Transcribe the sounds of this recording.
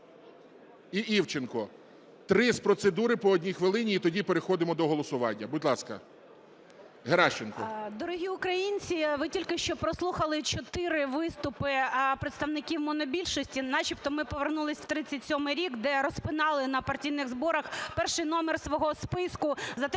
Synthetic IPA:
iʔiwt͡ʃenkɔ | t̪ɾɪspɾɔsed̪uɾɪpɔɔːdʲnʲixʋɪlˠɪnʲiːt̪ɔdʲipeɾexɔd̪ɪmɔd̪ɔɦɔlˠɔsʊʋɑnʲːɐbudʲlˠɑskɐ̰ | ɦeɾɑʃt͡ʃenkɔ̰d̪ɔɾʊɦʲiʊkɾɐjinʲt͡sʲiʋɪtʲilʲkɪʃt͡ʃɔpɾɔslˠuxɐlˠɪt͡ʃɔt̪ɪɾɪʋɪst̪ʊpɪpɾɪt̪st̪ɐʋnɪkʲiwmɔnɔbʲilʲʃɔsʲtʲinɑt͡ʃipt̪ɔmɪpɔʋernulˠɪsʲwt̪ɾɪt͡sʲːɐtʲsʲɔmɪjɾʲikd̪ɛɾɔspɪnɑlˠɪnɐpɐrtʲijnɪɣzbɔɾɐxpɛrʃɪjnɔmersʋɔɦɔspɪskʊzɐt̪ɛ

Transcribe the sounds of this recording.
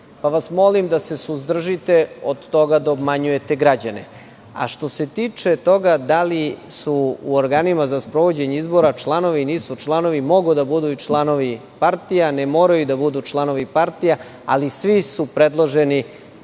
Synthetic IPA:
paʋasmo̞limd̪ase̞suzd̪r̩ʒit̪eod̪t̪o̞ɡad̪aobmaɲuje̞t̪eɡɾad͡ʑanḛ | a̰ʃt̪o̞se̞t̪it͡ʂet̪o̞ɡad̪alisuːoɾɡaːnimazaspɾo̞ʋod͡ʑeɲeizbo̞ɾat͡ʃlˠano̞ʋiniːsut͡ʂlˠano̞ʋimo̞ɡud̪abud̪uit͡ʃlˠano̞ʋipaɾt̪ijanemo̞ːɾajud̪abud̪ut͡ʃlˠano̞ʋipaɾt̪ija | a̰lisʋisupɾe̞d̪lˠoʒeni

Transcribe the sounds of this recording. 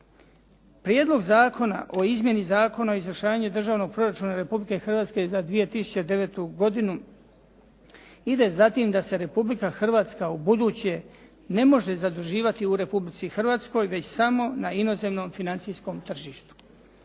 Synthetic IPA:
pɾjed̪lo̞ɡzaːkʰo̞na̰ʔo̞izmje̞nizaːko̞naoizvɾəʃaːʋaɲud̪r̩ʒaːʋno̞ɡ̚pɾo̞ɾat͡ʃuːnaɾe̞publike̞xr̩ʋaːt̪ske̞zad̪ʋije̞t̪isu̥t͡ɕed̪e̞ʋe̞t̪uɡo̞d̪inu | id̪e̞zat̪iːmd̪ase̞ɾe̞publikaxr̩ʋaːt̪skaubud̪uːt͡ɕe̞ | ne̞mo̞ʒe̞zad̪uʒiːʋat̪iuɾe̞publit̪sixr̩ʋaːt̪sko̞jʋe̞t͡ɕsamo̞naino̞ze̞mno̞ːmfinant̪sijsko̞mt̪r̩ʒiːʃt̪u̥

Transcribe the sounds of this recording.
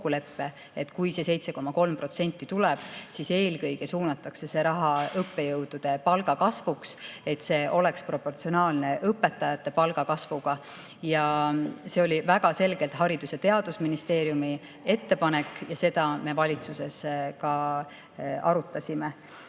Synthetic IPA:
kːule̞pːe̞ | et̪kujse̞se̞jt̪se̞ko̞mɑko̞lmpro̞t̪se̞nʲt̪ˑːit̪ulɛb̥sise̞ːlkɤjɡ̥e̞suːnɑt̪ˑːɑkse̞se̞ɾɑɦɑɤpːe̞jɤwd̪̥ud̪̥e̞pɑlɡɑkɑsvukse̞t̪se̞ːʔo̞le̞kspro̞pːˑo̞rt̪sionɑːlne̞ʔɤpːe̞t̪ːɑjɑt̪ːˑe̞pɑlɡ̥ɑkɑsvuɡ̥ɑ | jɑse̞o̞lʲivæɡ̥ɑse̞lɡ̥e̞lt̪hɦɑɾid̪use̞t̪e̞ɑd̪̥usminist̪e̞ːɾjumi | e̞t̪ːe̞pɑnekːˑjɑse̞d̪ɑme̞vɑlʲit̪suse̞skɑ | ɑ̰ɾut̪ːˑɑsʲime

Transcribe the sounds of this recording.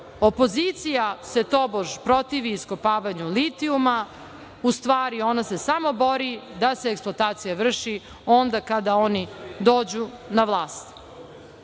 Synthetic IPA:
o̞po̞zit̪sijase̞t̪oboʒpɾo̞t̪iʋiːskopaːʋaɲulit̪iuma | ust̪ʋaːɾio̞nasesamo̞bo̞ɾid̪aseːksplˠot̪aːt̪sijaʋr̩ʃi | o̞nd̪akad̪ao̞nid̪o̞ːd͡ʑu | naʋlˠaːst̪

